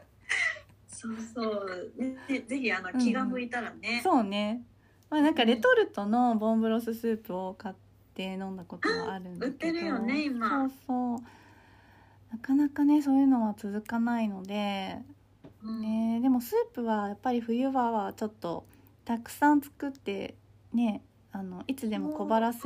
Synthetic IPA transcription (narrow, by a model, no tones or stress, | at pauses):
soːsoːeed͡ze̞çianoɯ̟kʲiɡamɯ̟it̪aɾaneso̞ːne̞ | manãŋkaɾe̞t̪o̞ɾɯ̟t̪o̞no̞bõ̞mbɯ̟ɾo̞s̬ɨsɨːpɯ̟o̞kat̪ːe̞nõ̞nd̪ako̞t̪oaaɾɯ̟̃ndɯat̪keeɾɯjoneimaoːso̞ː | nakanakane̞s̬o̞ːjɯ̟ːno̞βat͡sɨzɨkanaino̞d̪e̞ | ned̪e̞mo̞sɨːpɯ̟βajapːaɾʲiɸɯ̟jɯ̟baβat͡ɕo̞t̪ːo̞̰ | t̪akɯ̟̥sãnt͡sɨ̥kɯt̪ːe̞̰ | ne̞ | ano̞ʔit͡sɨd̪e̞mo̞ko̞baɾas